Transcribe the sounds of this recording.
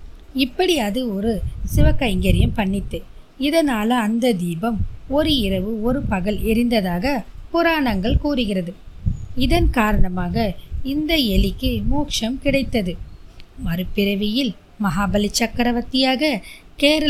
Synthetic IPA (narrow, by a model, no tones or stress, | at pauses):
ɪpːɐɽɪɐðɯɔɾɯsɪʋɐkːɐɪŋɡɐɾɪjɐmpɐɳːɪt̪ːɯ | ɪðɐnaːlɐːnd̪ɐd̪iːbɐmɔɾɯɪɾɐʋɯɔɾɯpɐɣɐɭɪɾɪnd̪ɐðaːɣɐpʊɾaːɳɐŋɡɐɭkuːɾɯɣɪrɐðɯɪðɐnkaːɾɐɳɐmaːɣɐɪnd̪ɐɛlɪkːɯmuːkʂɐmkɪɽɐɪt̪ːɐðɯmɐɾɯpːɪɾɐʋɪjɪl | mɐɦaːbɐlɪt͡ʃːɐkːɐɾɐʋɐt̪ːɪjaːɣɐkeːɾɐ